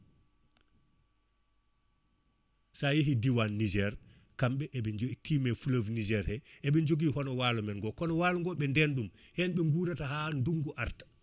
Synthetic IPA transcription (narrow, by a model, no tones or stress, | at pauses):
sajeɦidiwanːid͡ʒɛɾ | kamɓɛʔɛɓɛɲd͡ʒoitʰimɛfuləvnid͡ʒɛɾhɛʔɛɓɛɲd͡ʒoɡiɦɔnɔwalumɛnɡɔkɔnɔwaːluŋɡɔɓɛndɛnɗumhɛnɓɛŋɡuɾataɦanduŋɡuʔaɾtḁ